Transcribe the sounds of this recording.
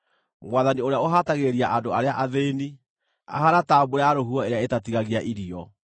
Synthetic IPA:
mwaðanioɾeaoɦataɣeɾiaʔandoaɾeaʔaðeni | a̰haɾataboɾeaɾoɦuɔeɾeaetatiɣaɣiaʔiɾiɔ

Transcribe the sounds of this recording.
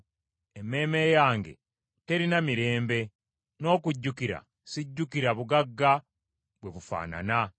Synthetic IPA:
eme̞ːme̞jaːŋɡe̞̰ | te̞ɾinamiɾe̞ːmbe̞ | no̞ːkuɟːukiɾa̰ | siɟːukiɾaβuɡaɡːa | βwe̞βufa̰ːna̰na

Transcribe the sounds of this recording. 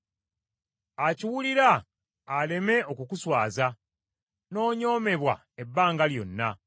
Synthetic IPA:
aciwuliɾaː | le̞me̞ʔo̞kukuswaːza | no̞ːɲo̞ːme̞βwa̰ | ebːaːŋɡaljo̞̰nːa

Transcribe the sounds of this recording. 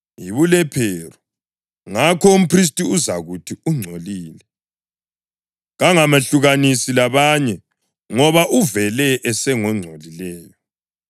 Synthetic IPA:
jiβulɛpʰɛrɔ | ŋakʰɔum̩pʰris̬tʼiuzaɣutʰiuŋ͡ǀʱoliːlɛ | ɣaŋamaɬuɣanisilaβaɲɛ | ŋɔβaʔuvɛlɛʔɛsɛŋɔŋ͡ǀʱolilɛːjɔ

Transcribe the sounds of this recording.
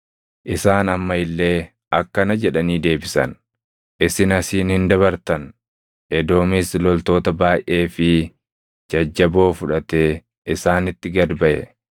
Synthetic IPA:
ʔɪsaːnɐmːɐɪlːe̞ː | ʔɐkːɐnɐd͡ʒɛᶑɐniːd̪e̞ːbɪsɐ̰n | ʔɪsɪnɐsiːnhɪnd̪ɐβɐɾt̪ɐn | ʔɛd̪o̞ːmɪslɔlt̪o̞ːt̪ɐbaːjʔe̞ːfɪ | d͡ʒɐd͡ʒːɐbo̞ːfʊᶑɐt̪eː | ʔɪsaːnɪt̪ːɪɡɐd̪bɐʔɛ̰

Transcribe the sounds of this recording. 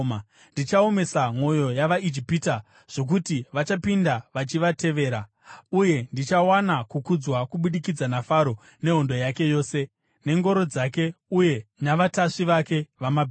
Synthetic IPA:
ndit͡ʃaome̞samo̞jo̞jaʋaid͡ʒipita | ʐ̥o̞k̬utiʋat͡ʃapindaʋat͡ʃiʋate̞ʋe̞ːɾa | uje̞ndit͡ʃawanakukud͡zwakuɓuɗikid͡zanafaɾo̞ | ne̞ɦo̞ndo̞jake̞jo̞ːse̞ | ne̞ŋɡo̞ɾo̞d͡zake̞uje̞naʋataʂiʋake̞ʋamabʱ

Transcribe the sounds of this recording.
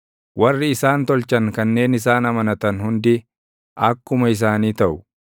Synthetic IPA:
wʔɐrːɪːsaːnt̪ɔlt͡ʃɐŋkɐnːe̞ːnɪs̬aːnɐmɐnɐt̪ɐnhʊnd̪ɪ | ʔɐkːʊmɐɪs̬aːniːt̪ɐʔʊ

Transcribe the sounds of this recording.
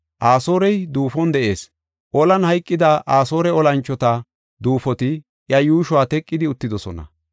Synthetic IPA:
ʔaːso̞ːɾɛjd̪uːfɔnd̪ɛʔe̞ːs | ʔɔlɐnhɐjkʼːɪd̪ɐʔaːso̞ːɾɛɔlɐnt͡ʃːɔt̪ɐ | d̪uːfɔt̪ɪ | ʔjɐjuːʃʊwaːt̪ɛkʼːɪd̪ɪʊt̪ːɪd̪ɔsɔ̰nɐ̰

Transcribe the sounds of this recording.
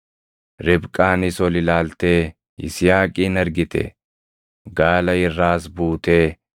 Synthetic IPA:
ɾɪbkʼaːnɪsɔlɪlaːlt̪eː | ɪ̰sɪjaːkʼiːnɐɾɡɪt̪ɛ̰ | ɡaːlɐɪrːaːsbuːt̪eː

